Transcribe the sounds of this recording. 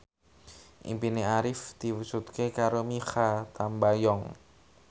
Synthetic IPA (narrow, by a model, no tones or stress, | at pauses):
ʔḭmpineaɾɪfd̪̥i̤wusut̪kekaɾomixat̪ambajɔŋ